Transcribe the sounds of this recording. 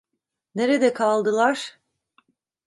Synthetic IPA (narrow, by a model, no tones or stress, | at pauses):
ne̞ɾed̪ɛkʰalˠd̪ɯlˠaɾ̥